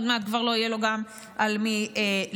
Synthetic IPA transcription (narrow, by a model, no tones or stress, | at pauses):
d̪meat̪̚kvaʁlo̞ijelo̞ɡam | ʔalmie